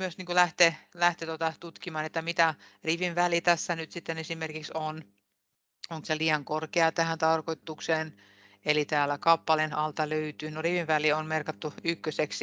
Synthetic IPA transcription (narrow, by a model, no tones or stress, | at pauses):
myøsniːŋkulæht̪elæht̪et̪ot̪ɑt̪ut̪kimɑːnet̪ːæmit̪æriʋinʋælit̪æsːænyt̪sit̪ːenesimerkikson | oŋkoseliːɑŋkorkeɑt̪æhænt̪ɑrkoit̪ːukseːn | elit̪æːlːˑækɑpːɑlenɑlt̪ɑløyt̪ynoriʋiʋʋælionmerkɑt̪ːuykːøseks